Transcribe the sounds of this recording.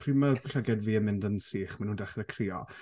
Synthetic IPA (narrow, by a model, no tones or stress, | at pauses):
pʰriːmaɡʊɬaɡɛdviːəmɪndənsiːχmanhuːndaχɾəkʰrɪːɔ̰